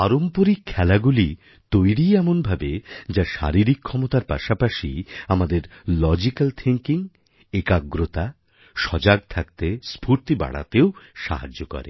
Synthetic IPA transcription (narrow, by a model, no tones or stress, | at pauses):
aɾompoɾikʰɛlaɡuli | t̪ojɾiɛmonbʱabed͡ʑaʃa̰ɾiɾikʰːɔmot̪aɾpa̰ʃapaʃḭamad̪eɾlɔd͡ʑikalt̪ʰiŋkiŋ | ekaɡɾot̪a | ʃɔd͡ʑaɡ̚t̪ʰak̚t̪espuɾt̪iba̰ɽa̰t̪eoʃa̰ɦa̰d͡ʑːokɔ̰ɾḛ